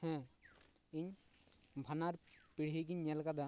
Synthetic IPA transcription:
hɛ̃ | iɲ | bʱanaɾpiɽ̤ɦiɡiɲːɛlkad̪a

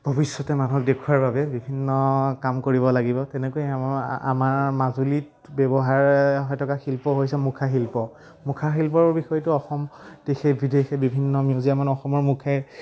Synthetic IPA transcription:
b̥ʱobisːɔtɛmanuɔk̚dekʰuaɹbabɛbibʱinːɔkamkoɹiβɔlaɡibɔtɛnekoɛa̰maɹmazulit̚ | bɛbɔɦaɹɦɔjtʰɔkaxilpɔɦojsɛmukʰaxilpɔ | mukʰaxilp̬ɔɹbixɔjtʊɔxɔmtexebʱidexɛbibʱinːɔmijuziamanɔxɔmɔɹmukʰaj

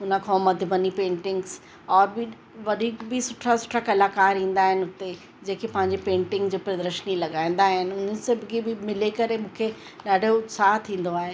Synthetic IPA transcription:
ʊnə̆kʰãmɐd̪ʱəʋɐnipẽːɳʈɪ̃ŋɡz | ɔːɾbɪ | ʋɐd̪ʱiːkbɪsʊʈʰasʊ̥ʈʰakɐlaːkaːɾɦĩːn̆d̪aːɦɪnɪʊt̪e | d͡ʑeːkepɐ̃ɦɪ̃ɲd͡ʑipẽːɳʈɪ̃ŋɡd͡ʑoːpɾɐd̪ɾəʃnilɐɠãːĩn̆d̪aːɦɪnɪ̆ʊnənɪ̆sẽbɪɡibɪmɪlekɐɾemũːkʰe | ɗaːɖ̤ʱoʊt̪saːɦt̪ʰĩːn̆d̪oaːɦe

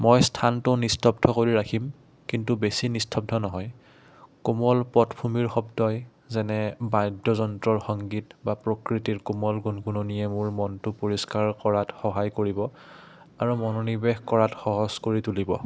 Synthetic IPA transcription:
mɔjstʰantʊnistʰɔp̚dʰʱɔkoɹiɹakʰim | kintubesinistʰɔp̚dʰʱɔnɔɦɔj | kumɔlpɔtpʰumiɹxɔbdɔj | zɛnɛbajdɔzɔntɹɔɹxɔŋɡitbapɹokɹitiɹkumɔlɡunɡunonijɛmʊɹmɔntʊpoɹiskaɹkɔɹatxɔɦajkoɹibɔ | aɹumɔnɔnibɛxkɔɹatxɔɦɔzkoɹitulibɔ̰

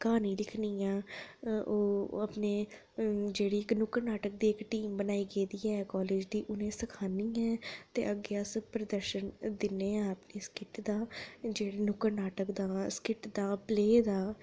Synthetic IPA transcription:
kaːniːlɪkʰniːãː | oːəpneː | d͡ʒeːɽiːɪknʊkəɾnaːʈək̚d̪iːɪkʈiːmbənaːiːɡeːd̪iːɛːkɔːleːd͡ʒd̪iːʔʊnẽːsəkʰaːniːɛːt̪ḛːʔəɡeəspɾəd̪əɾʃənd̪ɪneːãːəpneːskɪʈd̪aːd͡ʒeːɽeːnʊkəɾnaːʈəkd̪aːskɪʈd̪aːpleːd̪aː

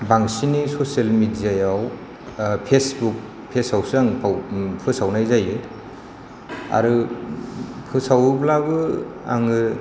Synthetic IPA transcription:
baŋsinisoselmidijajaw | pʰesbuk̚ | pʰesawsaŋpʰawpʰɯsawnajzajɯ | a̰ɾɯ | pʰɯsawblabɯa̰ŋɯ

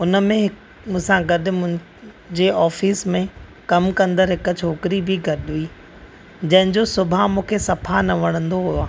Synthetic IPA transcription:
ʊnə̆mẽɦɪ | mʊ̃ɦsãɡɐɗɪ̆mʊ̃ɦɪ̃ | d͡ʑeɔːfiːsmẽ | kɐmkɐ̃nd̪əɾɦɪk̆t͡ɕʰoːkɪɾibʱɪɡɐɗɦuiː | d͡ʑɐ̃ɦɪ̃ɲd͡ʑosʊbʱamũːkʰesɐpʰanɐʋɐɽ̃ə̃nd̪oɦujoaː

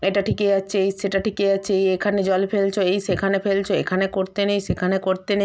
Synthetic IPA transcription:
eʈaʈʰikeaːt͡ɕʰeejseʈaʈʰikeat͡ɕʰeejekʰaned͡ʑɔlfelt͡ɕʰoejʃekʰanefelt͡ɕʰoekʰanekoɾt̪enejʃekʰanekoɾt̪ene

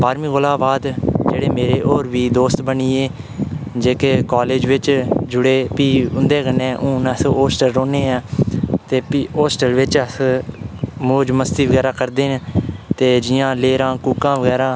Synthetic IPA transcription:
baːɾmĩːɡʊlaːbaːd̪d͡ʒeːɽeːmeːɾeːʔoːɾʋiːd̪oːst̪bəniːeː | d͡ʒeːkeːkaːleːd͡ʒʋɪt͡ʃd͡ʒʊɽeːpiːʊnd̪eːkənːẽːʔũːnəsoːsʈəlɾoːneːãːt̪eːpiːoːsʈəlʋɪt͡ʃəs | moːd͡ʒməst̪iːʋəɡɛːɾaːkəɾd̪eːnt̪eːd͡ʒɪjãːleːɾãːkuːkãːʋəɡɛːɾãː

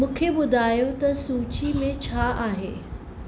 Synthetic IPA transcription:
mũːkʰeɓʊd̪ʱaːjot̪ɐsuːt͡ɕimẽt͡ɕʰaːʔaːɦeː

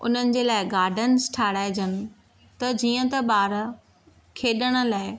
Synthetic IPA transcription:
ʊ̰n̤ənɪ̆d͡ʑeːlaːɪɡaːɾɖʱənsʈʰaːɽaːed͡ʑənɪ̆ | t̪ɐd͡ʑiːə̃t̪ɐɓaːɾ | kʰeːɗəɽ̃̆laːɪ

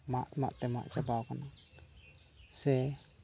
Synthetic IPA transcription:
maʔma̰ʔt̪ɛma̰ʔd͡ʒabawkana | sɛ

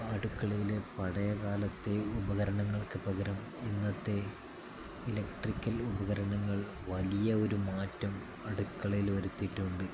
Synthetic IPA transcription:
ɐɽukːɐɭɐjilepɐɽɐjɐkaːlɐt̪ːe̞ubɐɣɐɾɐɳɐŋːɐɭkɨpɐɣɐɾɐm | inːɐt̪ːe̞ | ilɐkʈrikʲːɐlubɐɣɐɾɐɳɐŋːɐɭ | ʋɐlijɐo̞ɾumaːtːɐm | ɐɽukːɐɭɐjlʋɐɾut̪ːiʈːuɳɖɨ

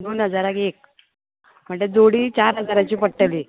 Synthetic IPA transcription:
nuːnɦəd͡zaɾakek̚ | m̤əɳd͡zed͡zoɽiːt͡ɕaɾɦəd͡zaɾat͡ɕiːpəʈəliː

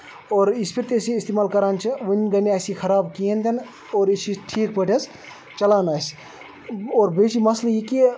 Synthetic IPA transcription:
oːɾispʰiɾt̪esiist̪eːmaːlkɐɾaːnt͡ʃʰiʋunʲɡɐnasikʰɐɾaːbkient̪ɐn | oːɾit͡ʃʰiʈʰiːk̚pəʈʰɐs | t͡ʃɐlaːnaːs | oːɾbet͡ʃimɐsljiki

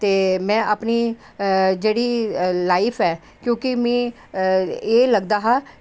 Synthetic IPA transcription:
t̪eːmɛ̃ːʔapniː | d͡ʒeːɽiːlaːɪpʰɛː | kjõːkɪmɛ̃ː | eːləɡd̪aːɦaː

